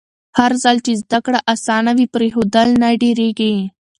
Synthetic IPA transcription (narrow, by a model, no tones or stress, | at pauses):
hɐɾzalt͡ʃizd̪ɐkɽaʔɐsaːnaʋipɾeɦod̪ɐlnaɖiɾeɡe